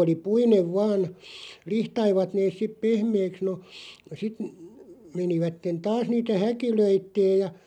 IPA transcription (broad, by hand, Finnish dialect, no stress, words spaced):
oli puineʋ ʋɑːn lihtɑiʋɑt neːs̆ sip pehmeːks no sit meniʋætːen tɑːs niːtæ hækiløitːeːj jɑ